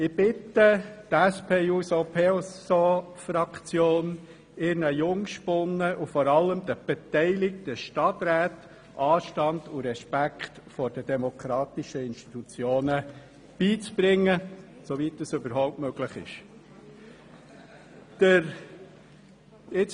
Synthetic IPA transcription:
ɪb̥ɪtət̪æspʰeːuːsopʰeosofɾɑkt͡sjoːn | ɪɾnəjʊŋʃpʊnːəʔufɔɾɑlːəmd̥̪əb̥ɛtɛɪlɪk̚təʃtɑtɾæːt | ʔɑːʃtɑndʊɾɛʃpækχtfɔɾd̥ədɛmɔkʰɾɑːtɪʃəɪnʃti̥t̪ut͡sjoːnə | b̥iːt͡sb̥ɾɪŋːə | sovitːəsʏbəɾɦɔʊptmøɡ̥ləχɪ̰ʃ | d̥əɾ | ɪt͡s

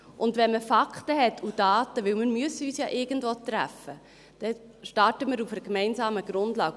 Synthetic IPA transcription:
ʔʊndʋɛnməfɑkχtəɦɛtʰːud̥ɑːtəʋɪwməɾmyəsəyːsjɑːʔɪɡ̥ən̩dvoːtɾæfə | d̥ɛ | ʃtɑɾtəməɾufəɾkmɛɪnsɑːməɡ̥ɾʊndlɑːɡ

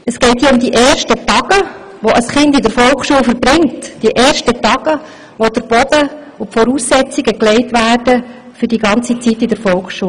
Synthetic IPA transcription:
əsɡ̥ɛɪthiəʊmd̪iʔɛːrʃtətɑɡ̥ə | ʋoʔɑsχɪndidəɾfɔlˠkχʃuəlfəɾbɾɪŋtd̥iʔɛːɾʃtətɑɡ̥ə | ʋod̥əɾb̥ɔd̥̪ə | ofɔɾuːsːɛt͡siɡəklɛɪtʋæːrd̥ə | fʏɾdiɡɑnt͡sit͡sitːidəɾfɔlkχʃuə

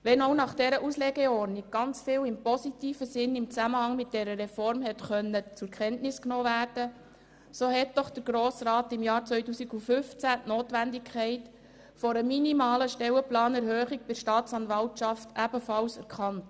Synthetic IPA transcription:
ʋɛnoʊnɑχd̥ɛɾəʔuslɛːɡɛɔɾnɪɡ̚ɡ̥ɑnt͡sfɪːwɪmpɔsitiːfəsɪnɪmt͡sæməhɑŋmɪt̚d̥ɛɾəɾɛfɔɾmhɛtχœnːət͡sʊɾkχɛntnɪsknoːvæːrd̥ə | soːɦɛt̚dɔχd̥əɾɡɾoːsɾɑːtɪmjɑːɾt͡sʋœʏtuːsiɡufʏft͡sæʔnoːtʋændɪkʰχɛɪt | fɔɾəminimɑːləʃtɛwəplɑːnɛɾhøːχik̚bɪɾʃtɑːtt͡sɑnʋɑltt͡ʃɑftæbəfɑlsɛɾkʰɑnt

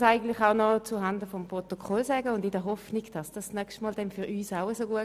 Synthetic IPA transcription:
saɪɡən̩tlɪχaʊnɔt͡suɦɑndəfɔmpʁɔt̪okʰɔlsɛːɡəʊndɪdəɐɦɔfniɡd̥ɑsd̥ɑsnœkʃtmɔːld̥ɛnfyʁyːsaʊəsoɡuə

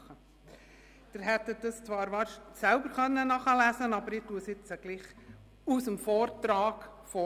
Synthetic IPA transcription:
χə | d̥ɪɾɦɛt̪ːədɑst͡sʋɑːɾʋɑːɾʃsɛlbəɾχœnːənɑχəlæsənɑbəɾɪtuəsɪt͡səɡ̥liːχ | usəmfɔːɾtɾɑːɡfɔ

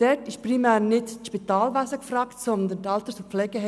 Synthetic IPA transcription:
d̥ɛtɪʃpʁimɛːɾnɪtʃpitaːlvasəkfrɑːktsɔnd̪əndɑltəsʊflɛɡəhɛ

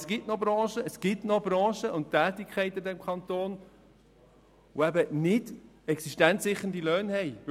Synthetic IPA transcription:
sɡ̥ɪtnobɾɑ̃ːʃəəsɡ̥ɪtnob̥ɾɑ̃ːʃəʊnttːæːtːikʰχɛɪt̪ːədɛmkʰχɑnt̪oːn | oæbənɪd | ɛksiʃtɛnsɪχːən̩dilœːnhɛɪ

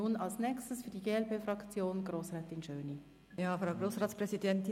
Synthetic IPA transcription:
unɑlsnɛːkstəsfyːɐdiɡeːɛlpeːfɾɑkt͡sjoːnɡ̥roːsʁɛːtɪnʃøːni | jɑːfɾaʊɡɾoːsʁɑːtspʁɛsidɛntɪ

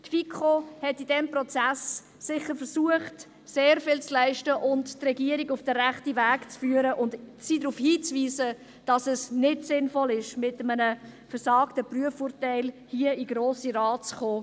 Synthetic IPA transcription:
tfikχohɛtidɛmprɔt͡sæsː | ɪχəɾfəɾsuəχt | seːɾfɪlt͡slæɪʃtəʔʊnttrɛɡiəɾiɡʊfd̥əɾæχtivæːkt͡sfyːəɾəʔʊndsiːdɾuːfhiːt͡sviːzə | d̥ɑsɛsnɪdsɪnfɔlɪʃmɪtəmənəfəɾsɑːktəpryəfʊɾtɛɪlhiəiɡ̥ɾoːsiɾɑːt͡sχoː

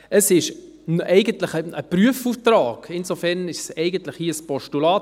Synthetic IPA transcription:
əsɪʃ | nɛɪɡəntlɪχəəpɾyəfuːftɾɑːɡ̥ɪnzofɛʁnɪʃsɛɪɡəntlɪχhiːspɔʃtulɑːt

